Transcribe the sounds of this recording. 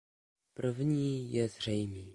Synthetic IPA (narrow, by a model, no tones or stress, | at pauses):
pr̩vɲiːjɛzr̝ɛjmiː